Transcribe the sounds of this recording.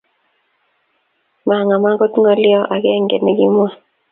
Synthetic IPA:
ma˨ŋa˨ma˦ɡɔ˦t̪ŋɔ˨lɪ˦ɔ˦ʔa˨ɡɛ˦ŋɡḛ˨nɛ˨ɡɪ˦mwa˨

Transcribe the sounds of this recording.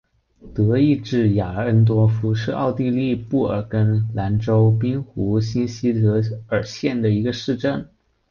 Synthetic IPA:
t̪ɤ˧˥i˥˧ʈ͡ʂɻ̩˥˩ja˨˩ə˥nt̪̬wɔ˥fu˥ʂɻ̩˥˧ɑ̰˥˧ʊt̪i˥˧li˥˧pu˥˩ə̰˞˨˩kə˥nla˧˥nʈ͡ʂo˥ʊpi˥ŋxu˧˥ɕi˥nɕi˥t̪ɤ˧˥ə˞˨˩ɕjɛ˥˩nd̪ə˩i˧˥ɡə˧ʂɻ̩˥˧ʈ͡ʂə˥˩n

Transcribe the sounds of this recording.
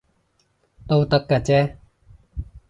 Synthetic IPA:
t̪o˧wt̪a˦˥kːa˨t͡ɕɛ˦˥

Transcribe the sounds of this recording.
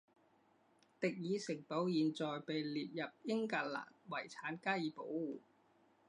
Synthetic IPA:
t̪ɪ˨k̚jiː˨˧sɪ˨˩ŋpo˨˥wjiː˨nt͡sɔː˨jpe˨jliː˨p̚jɐ˨p̚jɪ˥ŋkaː˨˩t̚la̰ː˨˩nwɐ˨˩jt͡sʰaː˨˥nkaː˥jiː˨˧po˨˥wːuː˨˩

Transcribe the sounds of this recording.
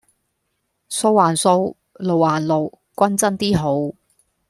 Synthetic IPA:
so˧˥wːaː˨˩nso˧w | lo˨˩waː˨˩nlo˨˩w | kʷɐ˥nt͡sɐ˥nt̪iː˥ɦo˨˥w

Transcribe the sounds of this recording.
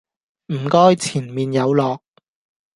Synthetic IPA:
m̩˨˩kɔː˥jt͡sʰiː˨˩nmiː˨njɐ˨˧wlɔː˨k̚

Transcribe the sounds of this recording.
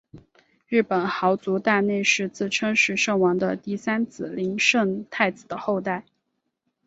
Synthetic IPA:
ɻɻ̩˥˩pə˨˩nxɑ˧˥ʊt͡su˧˥t̪a˥˧ne˥˧ɪʂɻ̩˥˧t͡sɹ̩˥˩ʈ͡ʂʰɤ˥ŋʂɻ̩˧˩ʂɤ˥˩ŋwɑ˧˥ŋd̪ə˧t̪i˥˩sa˥nt͡sɹ̩˨˩li˧˥ŋʂɤ˥˧ŋt̪ʰa˥˩ɪt͡sɹ̩˨˩d̪ə˦xo˥˧ʊt̪a˥˩ɪ

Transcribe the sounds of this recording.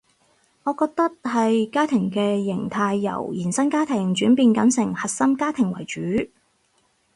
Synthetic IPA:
ŋɔː˨˧kɔː˧k̚t̪ɐ˥k̚hɐ˨jkaː˥t̪ʰɪ˨˩ŋkɛː˧jɪ˨˩ŋt̪ʰaː˧jːɐ̰˨˩wjiː˨˩nsɐ˥nkaː˥t̪ʰɪ˨˩ŋt͡ʃyː˨˥npiː˨˧nkɐ˨˥nsɪ˨˩ŋhɐ˨t̚sɐ˥mkaː˥t̪ʰɪ˨˩ŋwɐ̰˨˩jt͡ʃyː˨˥

